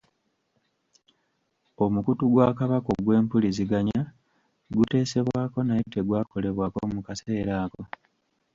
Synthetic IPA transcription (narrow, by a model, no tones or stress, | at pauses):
o̞mukutuɡwaːkaβako̞̰ɡwe̞ːmpuliziɡaɲa | ɡute̞ːse̞βwaːko̞najite̞ɡwaːko̞le̞βwaːko̞mukase̞ːɾaːko̞